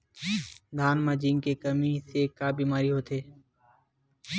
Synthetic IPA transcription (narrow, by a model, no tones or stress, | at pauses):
d̪ʱaːnmãːd͡ʒiːŋkeːkəmiːseːkaːbiːmaːɾiːɦoːt̪ʰeː